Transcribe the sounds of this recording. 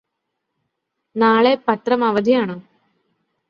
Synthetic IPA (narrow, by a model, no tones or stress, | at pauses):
naːɭepɐt̪rɐmɐʋɐd̪ʱijaːɳoː